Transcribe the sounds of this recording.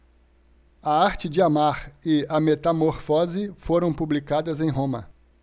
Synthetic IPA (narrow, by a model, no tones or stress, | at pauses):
ɐaɾt͡ʃɪd͡ʒɪamaɾɪɐmet̪amoɾfɔzɪfoɾɐ̃w̃publikad̪ɐzẽj̃ɦõmɐ̰